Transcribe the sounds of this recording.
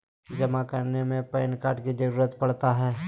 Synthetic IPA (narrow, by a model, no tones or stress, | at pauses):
d͡ʒɐmakɐɾnemẽpɛːnkaːɾʈkid͡ʒɐɾuːɾət̪pɐɽt̪aɦɛː